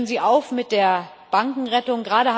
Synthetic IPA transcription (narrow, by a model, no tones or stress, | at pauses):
ənziːʔaʊfmɪt̚d̥eːɐ | b̥aŋkŋ̩ʁɛtʊŋɡʁaːɾəha